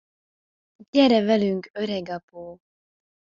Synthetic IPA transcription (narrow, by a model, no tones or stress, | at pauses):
ɟɛɾɛvɛlyŋkøɾɛɡɒpoː